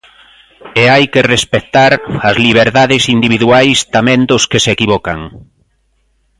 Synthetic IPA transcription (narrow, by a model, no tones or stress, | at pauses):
eajkerespet̪aɾɐzliβeɾðaðɪsind̪iβiðuajst̪amɛ̃nd̪ʊskesekiβɔkaŋ